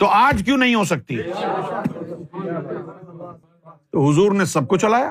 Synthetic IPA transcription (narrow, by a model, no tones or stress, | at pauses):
t̪oʔaːd͡ʒk̬jũːnɐɦĩɦosɐk̚t̪ḭ | t̪oɦʊzuːɾnesɐb̚kot͡ʃʰɐlaːjaː